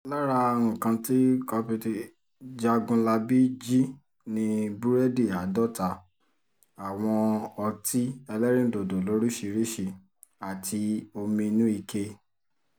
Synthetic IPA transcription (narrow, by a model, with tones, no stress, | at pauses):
la˦ɾa˧ũ˨kã˧ti˦kɔ˧pu˧ti˨ | d͡ʒa˧ɡũ˧la˧bi˦d͡ʒi˦ | nĩ˧bu˦ɾɛ˦di˦˨a˨˦dɔ˦˨ta˧˦ | a˨w̃ɔ̃˧ɔ˧ti˦ɛ˧lɛ˦ɾ̃ĩ˦˨do˨do˨lo˨˦ɾi˦ʃi˧ɾi˦ʃi˧ | a˨tʰi˧o˧mĩ˧nũ˦i˧ke˧